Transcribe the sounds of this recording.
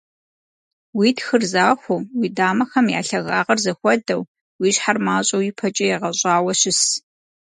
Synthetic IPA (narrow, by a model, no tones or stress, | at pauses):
wiːtxɨrzaːxʷʊwiːdaːmɐxɐmja̰ːɬɐɣa̰ːʁɐrzɐxʷɔdɐw | wiːɕħarmaːɕʼɐwjipʰɐt͡ʃʼɐjɛʁɐɕʼaːwɐɕɪs